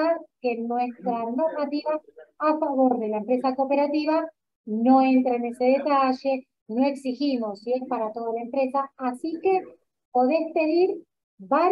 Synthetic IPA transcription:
aɾke̞nwe̞st̪ɾano̞ɾmat̪iβaːfaβoɾðe̞laempɾe̞sako̞pe̞ɾat̪iβa | no̞ent̪ɾaene̞seð̞et̪aʒe̞ | no̞e̞ksiximo̞sːiespaɾat̪o̞ðalaempɾe̞saːsike | po̞ðespe̞ðiɾ | βa

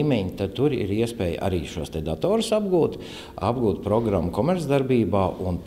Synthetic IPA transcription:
mɛɲt̪ad̪̚t̪uɾḭɾiɛspɛːj̰a̰ɾiːʃuɔst̪ed̪at̪ɔːɾusabɡuːt̪ | a̰bɡuːt̪̚pɾɔɡɾamːkɔmɛɾt̪zd̪aɾbiːbaːʔun

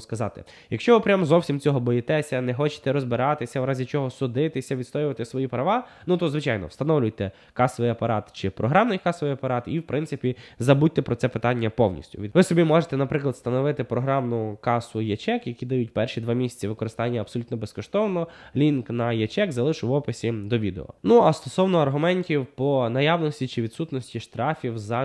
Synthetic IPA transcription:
skɐzɑ̰t̪ɪ̰ | jɐkʃt͡ʃɔʋɪpɾʲamzɔwsʲimt͡sʲɔɦɔbɔjɪt̪ɛsʲɐnɛxɔt͡ʃɪ̥t̪ɛɾɔzbɪɾɑt̪ɪsʲɐwɾɑzʲit͡ʃɔɦɔsʊd̪ɪt̪ɪsʲɐʋʲid̪st̪ɔjɪʋɐt̪ɪsʋɔjipɾɐʋɑ | nut̪ɔzʋɪt͡ʃɑjnɔ̰wst̪ɐnɔwlʲʊjt̪ɛ | kɑsɔʋɪjɐpɐɾɑt̪t͡ʃɪpɾɔɦɾɑmnɪjkɑsɔʋijɐpɐɾɑt̪iwpɾɪnsɪpʲizɐbut̚ʲt̪ɛpɾɔt̪ɛpɪt̪ɑnʲːɐpɔwnʲḭsʲtʲʊ̰ʋʲiʋɪsɔbʲimɔʒet̪ɛnɐpɾɪklˠɐd̪st̪ɐnɔʋɪt̪ɪpɾɔɦɾɑmnʊkɑsʊjɐt͡ʃɛkjɐkʲid̪ɐjut̚ʲpɛrʃid̪ʋɑmʲisʲɐ̥t͡sʲɐʋɪkɔɾɪst̪ɑnʲːɐɐb̥sɔlʲut̪nɔbeskɔʃt̪ɔwnɔlʲinknɐjɐt͡ʃɛkzɐlˠɪʃʊʋɔpɪsʲid̪ɔʋʲid̪ḛɔ̰nuɐst̪ɔsɔwnɔɐrɦʊmɛnʲtʲiwpɔnɐjɑʋnɔsʲtʲit͡ʃɪʋʲid̪sut̪nɔsʲtʲiʃt̪ɾɑfʲiwzɐ

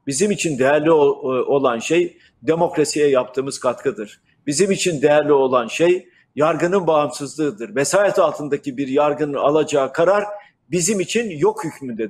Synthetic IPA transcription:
bizimit͡ʃʰind̪ejæɾlʲio̞lˠanʃej | d̪e̞mo̞kɾasijɛjap̚t̪ʰɯːmɯz̥kʰat̪kʰɯd̪ɯɾ̥ | bizimit͡ʃʰind̪ejæɾlʲio̞lˠanʃej | jaɾɡɯnɯnbamsɯzlˠɯɯd̪ɯɾvesaːjɛt̪ʰalˠt̪ʰɯnd̪acʰibiɾjaɾɡɯnɯalˠad͡ʒaːkʰaɾaɾ | bizimit͡ʃʰinjo̞khycʰmynd̪ɛ

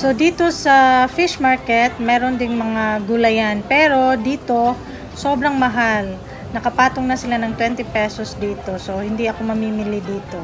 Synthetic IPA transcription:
so̞d̪iːt̪o̞sɐfɪʃmaɹkɛt̪̚mɛːɾo̞nd̪ɪŋmɐŋaɡʊlɐjanpɛːɾo̞d̪iːt̪o̞ | so̞ːbɾɐŋmɐɦal | nɐkɐpaːt̪oŋnɐsɪlanɐŋt̪wɛnt̪ɪpɛsosd̪iːt̪o̞so̞hɪnd̪iɐko̞mɐmiːmɪlid̪iːt̪o̞

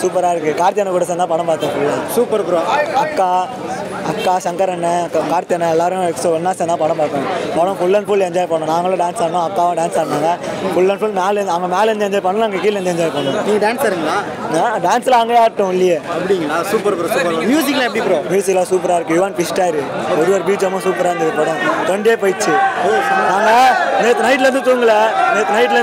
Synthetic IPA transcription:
suːpɐɾaːɪɾɯkːɯkaːɾt̪ɪjɐnɐ̃kuːɽɐs̬ɛnd̪ãːpɐɽɐ̃mpaːɾt̪ːãŋɐfʊɭːɐsuːpɐɾpʊɾõːɐkːaː | ɐkːaːʃɐŋkɐɾɛnːɐkaːɾt̪ɪjɐnɐ̃ɛlːaːɾɯ̃ɛksoɛnːaːsɛ̃nd̪ãːpɐɽɐ̃mpaːɾt̪ːãːŋɡɐpɐɽɐ̃fʊɭːɐnfuːlɛɲd͡ʒaːjpɐɳːõːnãːŋɡɐlõɖaːnsaːɳːʊ̃ɐt̪ːaːʋãɖaːnsaːɾnaːŋɡɐ | fʊɭːɐnfuːlmaːlɛɐŋɡɐmeːlɛnd͡ʒɛɲd͡ʒaːjpɐɳːɐlãːɐŋɡɐkiːlɛɲd͡ʒɛɲd͡ʒaːjpɐɳːõːniːŋɡɐɖaːnsaɾɯŋɡɐlaː | nãːɖaːnsɪlɐɐŋɡɐaːɾʈːʊ̃ɪlːɪjɐɐpːɐɽɪŋɡɐnãːsuːpɐɾpɐɾsuːpɐmjuːs̬ɪkɐlaːɛp̬ːɐɽipːɾmjuːsɪkːɐlaːsuːpɐɾaːɪɾɯkːɯ̃jɪʋaːnfɪsʈaːjɪɾɯɔɾɯʋɐːɾbiːt͡ʃːɐmːɐ̃suːpɐɾaːɾɯnd̪ɪðɯpɐɽɐ̃t̪ɔɳɖeːpoːjt͡ʃːɯ | naːŋɡɐnet̪nɐɪʈ̬ːlɐɾɯnd̪ɯt̪uːŋɡɐlɐnɛt̪nɐɪʈ̬ːlɐ

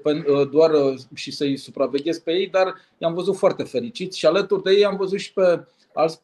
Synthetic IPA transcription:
penəd̪oarəʃisəjsupɾave̞ɡʲe̞sk̚pe̞je̞jd̪ar | jamvəzut̪foart̪e̞fe̞ɾit͡ʃit̪sʲʃialət̪urd̪eje̞jamvəzut̪ʃi̥pe̞ | alt̪s

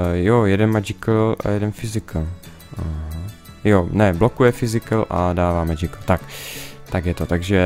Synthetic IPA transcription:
jojɛdɛnmɛd͡ʒɪkl̩a̰jɛdɛnfɪzɪkl̩ | jonɛblokujɛfɪzɪkl̩ʔa̰daːvaːmɛd͡ʒɪkl̩t̪akt̪aɡjɛt̪ot̪aɡʒɛ

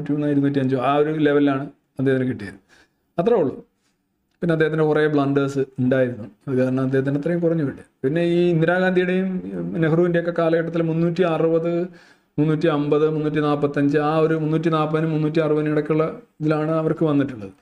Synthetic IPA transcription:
uːtːimunːaːjiɾunːuːtːiɐɲd͡ʑoaːo̞ɾule̞ʋɐlilaːɳɨ | ɐd̪ːeɐt̪inɨkiʈːijɐ̰ɾunːu | ɐt̪ːrɐoɭːu | pinːed̪ːehɐt̪indekureːbɭɐɳɖɐːsɨuɳɖaːjiɾunːuɐðɨkaːɐɾɐɳɐmɐd̪ːehɐt̪̬indeɐt̪ːrɐjumkurɐɲːuʋiʈːiɐpinːe̞iːind̪iɾaːɡaːnd̪ʱijiɽejumnekɐruːʋindejokːe̞kaːlɐkɐʈːɐt̪ːilmunːuːtːiɐrɨbɐðɨ | munːuːtːiɐmbɐðɨmunːuːt̬ːinaːpːɐt̪ːɐɲd͡ʑɨaːo̞ɾumunːuːtːinaːpːɐðinɨmːunːuːtːiarɨpɐðiniɽɐkʲːuɭːɐ | ðilaːɳɨɐʋɐrkɨʋɐnːiʈːuɭːɐðɨ

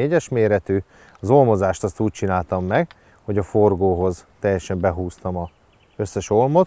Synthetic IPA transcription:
eːɟɛʃmeːɾɛt̪yː | ɒzo̞lmo̞zaːʃt̪ɒst̪uːc̚t͡ʃinaːlt̪ɒmːɛɡ | ho̞ɟɒfo̞rɡoːɦo̞zt̪ɛjːɛʃɛmbɛɦuːst̪ɒmɒ | ø̞sːɛʃo̞lmo̞t̪

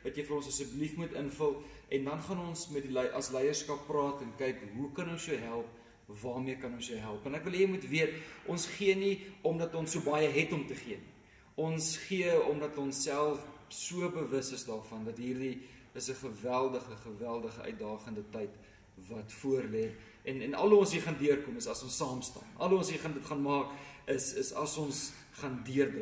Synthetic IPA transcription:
vɐtjəjfəɾɔnsəsəblifmutənfəlˠʔɛndɐnχɐnɔnsmɛt̚dilʔɐslɛjərskɐpːrɑːtɛnkɛjkɦukɐnɔnsjœwɦælˠp̚ | vɑːmiəkɐnɔnsjəwɦælˠpənækvəlˠjəmutviətʔɔnsχiəniɔmdɐtonsuəbɐjəɦɛtɔmtəχiəni | ɔnsχiəɔmdɐtɔnsːælˠfsuəbəvəsəsdɑːrfɐndɐtɦiːrdi | əsəχəvælˠdəχəχəvælˠdəχəʔœ̰ɥt̚dɑːχəndətəjt | vɐtfuərlɛ | ʔɛnɛnɐ̰lɦuɔnsiχɑndiərkɔməsɐsɔnsɑːmstɑ̰ːnɐ̰lˠɦuɔnsɦiːχɑndətχɑːnmɑːkəsəsɐsɔns | χɑndiərdə

